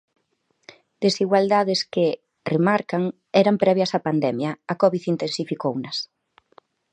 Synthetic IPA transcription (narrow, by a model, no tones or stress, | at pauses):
d̪̥esiɣwald̪aðɪskɪ | remaɾkaŋ | ɛɾampɾɛβjɐsapand̪ɛmjɐakɔβiθint̪ensifikownɐs